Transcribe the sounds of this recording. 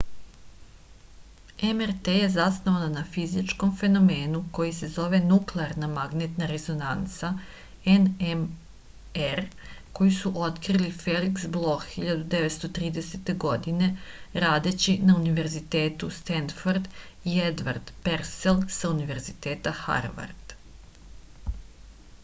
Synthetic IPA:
emeɾt̪eje̞zasno̞ʋananafizit͡ʃko̞mfe̞no̞me̞ːnuko̞jise̞zo̞ʋe̞nukleaɾnamaɡnet̪naɾe̞zo̞nant̪sa | enem | eɾko̞jisuʔo̞t̪kɾilifeliksblˠo̞xiʎad̪ud̪e̞ʋe̞t̪st̪o̞t̪ɾiːd̪e̞set̪e̞ɡo̞d̪ine̞ɾaːd̪e̞t͡ɕinauniʋe̞ɾzit̪e̞ːt̪ust̪enfoɾd̪ied̪ʋaɾd̪̥peɾselˠsauniʋe̞ɾzit̪eːt̪axa̰ɾʋa̰ɾd̪̥

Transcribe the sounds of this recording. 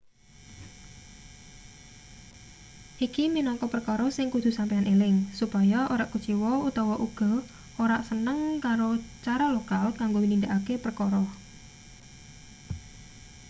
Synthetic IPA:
ʔikiminɔŋkɔpərkɔɾɔsɪŋkud̪̥ṳsampeanʔelɪŋsupajaʔoɾaʔku̥t͡ʃiwɔut̪ɔwɔʔuɡ̥ɔ̤ | ʔoɾaʔsənəŋkaɾot͡ʃaɾalokalkaŋɡowinind̪aʔakepərkɔɾɔ

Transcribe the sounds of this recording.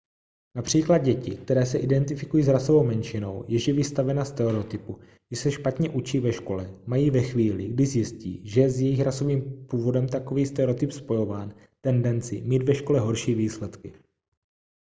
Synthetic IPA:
napr̥iːklad̪̚ɟɛcɪk̚t̪ɛɾɛːsɛʔɪdɛnt̪ɪfɪkujiːzɾaso̞vo̞wmɛnʃɪno̞wjɛʒɪvɪst̪avɛnast̪ɛɛɾɛot̪ɪpuɡɪsɛʃpat̪ɲɛʔut͡ʃiːvɛʃko̞lɛmajiːvɛxviːlɪɡdɪzjɪscḭːʒɛjɛzjɛjɪxɾaso̞viːmpuːvo̞dɛmt̪ako̞viːst̪ɛɾɛot̪ɪpspo̞jo̞vaːn | t̪ɛndɛnt͡sɪmiːd̪vɛʃko̞lɛɦo̞ɾʃiːviːslɛt̪kɪ

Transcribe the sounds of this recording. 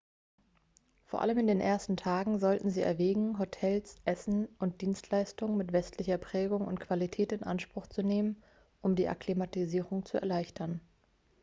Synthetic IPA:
foːɐʔa̰ləmɪndeːnʔeːɐstn̩tʰaːɡŋ̩zɔltn̩ziːɛ̰ɐvɛːɡŋ̩ɦotʰɛlsʔɛsn̩ʊnt̚d̥iːnstʰlaɪstʊŋənmɪtv̥ɛstlɪçɐpʁ̥ɛːɡʊŋʊ̰ntkv̥alitʰɛːtɪnʔa̰nʃpʁ̥ʊχt͡suneːmən | ʔʊmdiːʔa̰klimatiziːʁʊŋt͡suɛɐlaɪçtʰɐn

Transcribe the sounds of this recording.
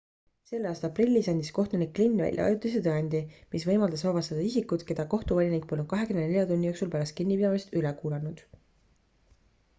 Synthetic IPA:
se̞lːeɑːst̪ɑprilʲːisɑnʲd̪isko̞ht̪unikːlinːvæ̰lʲjʔɑ̰ɑ̰jut̪ːˑis̬et̪eɑnʲd̪̥imisvɤjmɑld̪ɑsɑvɑst̪ɑd̪̥ɑisikːˑud̪̥ke̞d̪̥ɑko̞ht̪uvɑlʲinik̚polːnud̪̥̚kɑɦe̞kymnd̪nelʲjɑt̪unʲːijo̞ːksulpæɾɑst̪kinːipid̪ɑmist̪ylekuːlɑnud̪̥

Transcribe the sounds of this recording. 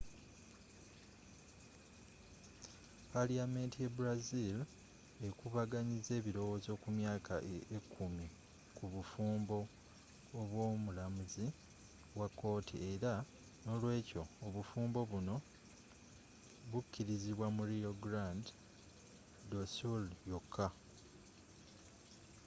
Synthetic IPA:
paliame̞ntije̞buɾazil | e̞kuβaɡaɲize̞ːβiɾo̞wo̞ːzo̞kumjaːkʰa̰ʔekʰːumi | kuβufuːmbo̞ː | βwo̞ːmulamuzi | wakːo̞ːtʰḭe̞ɾa | no̞lwe̞ːco̞oβufuːmbo̞βuno̞ | βucːiɾiziβwamuɾioɡɾand | dosuljokʰːa

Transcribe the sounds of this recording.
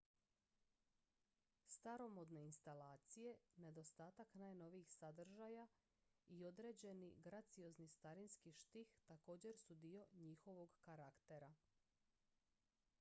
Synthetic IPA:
st̪aɾo̞mod̪ne̞inst̪alaːt̪sije̞ne̞d̪o̞st̪aːt̪aknaːjno̞ʋiixsad̪r̩ʒaja | io̞d̪ɾe̞ːd͡ʑe̞niɡɾat̪sijo̞znist̪aɾinskiʃt̪ixt̪ako̞ːd͡ʑe̞ɾsud̪ijo̞ɲixo̞ʋo̞ɡkaɾakt̪e̞ɾa

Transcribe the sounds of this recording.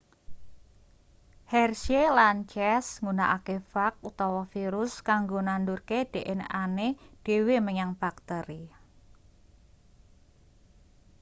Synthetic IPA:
hɛrʃelant͡ʃɛsŋunaʔakefak̚ut̪awɔfiɾʊskaŋɡonandurked̥e̤ʔɛnaned̥e̤weməɲaŋb̥ak̚t̪əɾi

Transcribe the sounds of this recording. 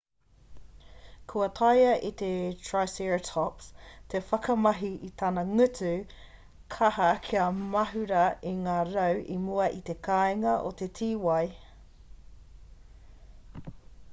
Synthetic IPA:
kʰuɐt̪ʰɐjɐʔit̪etʰɹajsiɹtʰɔpst̪ʰefɐkʰɐmɐɦiʔit̪ʰɐnɐŋʉtʉ | kʰɐhɐkʰiɐmɐɦʉɾɐiŋaːɾɐwʔimuɐʔit̪e̞kʰaeŋɐʔo̰t̪e̞tʰiːwɐj

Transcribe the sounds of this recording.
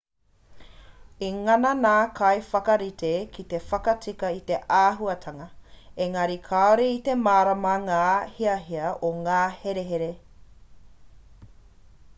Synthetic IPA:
iŋɐnɐnaːkʰɐjfɐkɐɾit̪ʰekʰit̪e̞fɐkɐt͡sikɐit̪e̞ʔaːɦuɐt̪ʰɐŋɐeŋɐɾikʰaoɾeit̪e̞maːɾɐmɐŋaːhiɐɦiɐʔoŋaːheɾeɦeɾe

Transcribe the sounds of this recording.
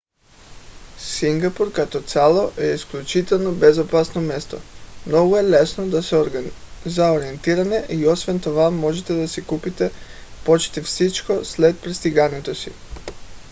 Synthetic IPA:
siŋɡapuɾkat̪ɔt̪sʲalˠoʔɛisklʲut͡ʃit̪ɛlˠnobɛzopasnomɛst̪o̰mnɔɡuɛlɛsnod̪asɾzaoɾiɛnt̪iɾanɛʔiosvɛnt̪ovamɔʒɛt̪ɛd̪asikupit̪ɛpot͡ʃt̪ifsit͡ʃkoslɛt̪̚pɾist̪iɡanɛt̪osḭ

